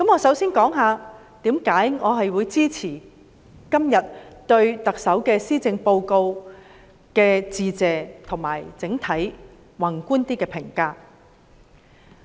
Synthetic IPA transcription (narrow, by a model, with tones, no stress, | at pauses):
kɐ˨˥mŋɔː˨˧sɐ˨˥wsiː˥nkɔː˨˥ŋɦaː˨˧ | t̪iː˨˥mkaː˨˥jŋɔː˨˧ɦɐ˨jwuː˨˧jt͡siː˥t͡sʰiː˨˩ | kɐ˥mjɐ˨t̚t̪ɵ˧ɥt̪ɐ˨k̚sɐ˨˥wkɛː˧siː˥t͡sɪ˧ŋpo˧wko˧w | kɛː˧t͡siː˨˧t͡sɛː˨t̪ʰʊ˨˩ŋma̰ː˨˩jt͡sɪ˨˥ŋt̪ʰɐ˨˥j | wɐ˨˩nkuː˥nt̪iː˥kɛː˧pʰɪ˨˩ŋkaː˧